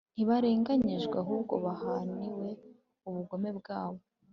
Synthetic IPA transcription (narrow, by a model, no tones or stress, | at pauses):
iβaɾe̞ːŋɡaɲiʒɡwaɦuːbɡo̞βahaniwe̞ | uβuɡo̞me̞bɡaːβo